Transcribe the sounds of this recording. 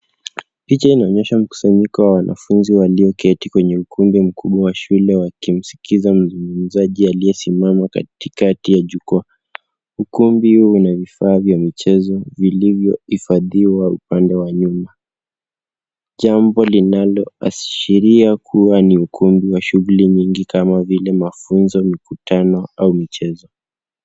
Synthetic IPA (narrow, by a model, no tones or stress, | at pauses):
pit͡ʃainaɔɲɛʃam̩ku̥saɲikɔwawanʔa̰funziwaliɔkʰɛtikwɛɲɛukʰumbim̩kʰuɓwawaʃulɛwakim̩si̥kʰizam̩zuŋɡum̩zaʄialijɛsimamaka̰tikatijaʄukua | ukumbihuunavifaːvjamit͡ʃɛzɔvilivjɔ̰hifaðiwaṵpandɛwaɲuma | ʄambɔlinalɔa̰sʃiɾiakʰuwaniukʰumbiwaʃuɣuliɲiŋɡikamavilɛmafunzɔmikutanɔaumit͡ʃɛzɔ